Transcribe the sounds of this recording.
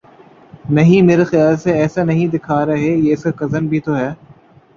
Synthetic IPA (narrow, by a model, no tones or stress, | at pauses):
nɐɦĩmeːɾexɪjaːlseɛːsanɐɦĩd̪ɪkʰaːɾɐɦejeːɪskakɐzənbʱit̪oɦɛː